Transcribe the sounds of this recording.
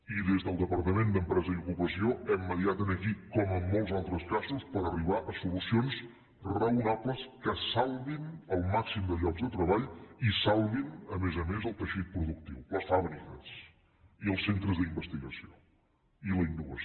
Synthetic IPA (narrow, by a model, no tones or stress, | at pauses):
iðezðəlˠd̪əpəɾt̪əmend̪əmpɾɛzəiukupəsioɛmːəðiat̪ənəkikɔməmːolˠzalˠt̪ɾəskazuspəɾəriβ̞aʔəsulusions | rəunapləskəsalˠβinəlˠmaksimd̪əʎɔɡzðət̪ɾəβaʎisalˠβinəmezəmezəlˠt̪əʃit̪̚pɾuðuk̚t̪iwləsfaβɾikəs | iəlˠsent̪ɾəzðimbəst̪iɣəsio | iləinːuβə̰s